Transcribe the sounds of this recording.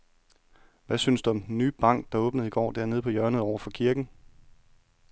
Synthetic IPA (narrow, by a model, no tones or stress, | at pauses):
ʋæsynsd̥uɒ̽md̥en̩ːy̰ːb̥ɑ̈ŋ̰ɡ̥̚d̥ɑ̈ɔ̽ːb̥nəð̩ˠiɡ̥ɒ̰ːd̥æɐ̰eð̞ˠpʰɒ̽jɶɐnəð̩ˠɒʊɐfɒ̽kʰiɐɡ̥n̩